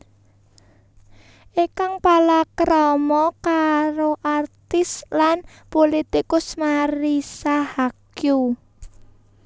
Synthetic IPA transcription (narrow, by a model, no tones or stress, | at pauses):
ʔikaŋpalakɾɔmɔkaɾoʔart̪ɪslan | polit̪ikʊsmaɾisahakju